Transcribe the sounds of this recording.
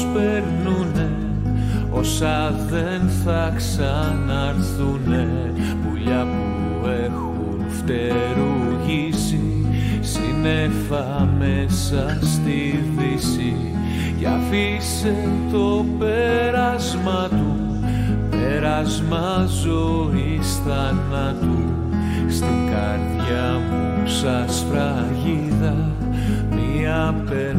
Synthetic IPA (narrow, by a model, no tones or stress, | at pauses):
spe̞ɾnune | o̞sɐ | ðenθɐksɐ | nɐɾθune | puʎɐpu | ex | unft̪eɾu | ʝisi | sine̞vɐ | mesɐ | st̪iðis | i | cɐ̰fi | se | t̪o̞ | beɾɐzmɐt̪u | peɾɐzmɐzo | i | sθɐnɐt̪u | st̪iɡɐɾðʝɐ | mu | psɐsfɾɐ | ʝiðɐ | mi | ɐ | pe